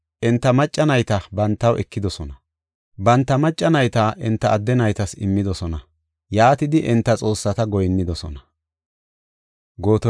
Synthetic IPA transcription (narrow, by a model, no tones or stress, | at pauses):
ʔɪnt̪ːɐmɐt͡ʃʼːɐnɐjt̪ɐbɐnt̪ːɐwɛkːɪd̪ɔsɔnɐ | bɐnt̪ːɐmɐt͡ʃʼːɐnɐjt̪ɐʔɪnt̪ːɐʔːd̪ːɛnɐjt̪ɐsɪmːɪd̪ɔsɔnɐ | jaːt̪ɪd̪ɪʔɪnt̪ːɐt͡sʼo̞ːsːɐt̪ɐɡɔjnːɪd̪ɔsɔ̰nɐ | ɡo̞ːt̪ɔ